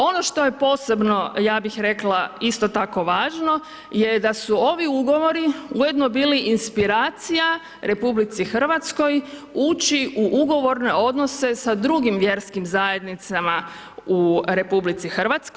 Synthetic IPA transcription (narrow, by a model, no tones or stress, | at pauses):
o̞no̞ʃt̪o̞je̞po̞ːse̞bno̞jaːbixɾe̞klaist̪o̞t̪ako̞ʋaːʒno̞ | jed̪asuo̞ʋiuɡo̞ʋo̞ɾiujed̪no̞biːliʔinspiɾaːt̪sija | ɾʔe̞publit̪sixr̩ʋat̪sko̞juːt͡ʃiʔuʔuɡo̞ʋo̞ɾne̞o̞d̪no̞se̞sad̪ɾuɡimʋje̞ɾskimzaje̞d̪nit̪sama | uɾe̞publit̪sixr̩ʋat̪sk